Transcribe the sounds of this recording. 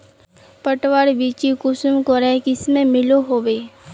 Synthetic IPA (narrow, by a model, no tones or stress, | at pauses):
pəʈwaːɾbiːt͡ʃikʊsmkoɾɛkiɪsmẽmɪloɦoːʋeː